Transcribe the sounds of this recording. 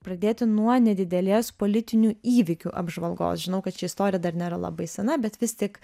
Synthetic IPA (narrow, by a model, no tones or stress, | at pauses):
pɾɐd̪ʲeːt̪ʲɪnuɔnʲɛd̪ʲɪd̪ʲɛlʲeːspoːlʲɪt̪ʲɪnʲuːiːʋʲɪkʲuːʔɐ̰bʒʋɐlˠɡo̰ːsʒʲɪnɐʊkɐt̪ʃʲɪɪst̪oːɾʲɪjɛd̪ɐɾnʲeːɾɐlˠɐ̰bɐɪsʲɛnɐbʲɛt̪ʋʲɪst̪ʲɪk